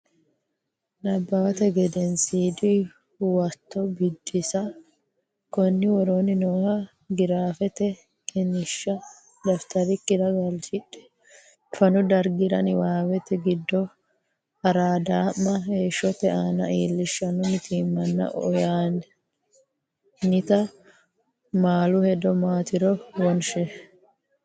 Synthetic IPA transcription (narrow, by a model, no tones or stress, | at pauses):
nɐbːɐwɐt̪ɛɡɛd̪ɛnsiːd̪ɪ | wɐt̪ːɔbɪd̪ːɪsɐ | kɔnːɪwɔɾoːnɪnoːhɐ | ɡɪɾaːfɛt̪ɛ | kɪnɪʃːɐ | d̪ɐft̪ɐɾɪkːɪd̪ɐɡɐlt͡ʃɪᶑɛ̥ | fɐnʊd̪ɐɾɡɪɾɐ̰nɪwaːwɛt̪ɛɡɪd̪ːɔ | hɐɾaːd̪aːmːɐheːʃːɔt̪ɛaːnɐ̰iːlːɪʃːɐnʊmɪt̪ʰiːmːɐnːɐ̰ʔɔ̰jaːnɛ | nɪt̪ɐ | maːlʊhɛd̪ɔmaːt̪ɪɾɔwɔnʃɛ